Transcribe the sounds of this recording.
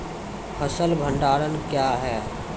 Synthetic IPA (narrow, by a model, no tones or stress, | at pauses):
pʰəsəlbʱə̃ɳɖaːɽənkjaːɦɛː